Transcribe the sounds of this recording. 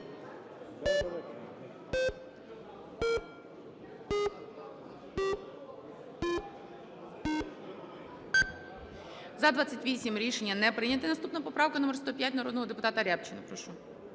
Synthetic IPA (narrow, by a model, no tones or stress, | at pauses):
zɐd̪ʋat͡sʲːɐtʲʋʲisʲimɾʲiʃenʲːɐnɛpɾɪjnʲɐt̪ɪnɐst̪upnɐpɔpɾɑwkɐnɔmerst̪ɔpʲjatʲnɐɾɔd̪nɔɦɔd̪epʊt̪ɑt̪ɐɾʲapt͡ʃɪnɐpɾɔʃu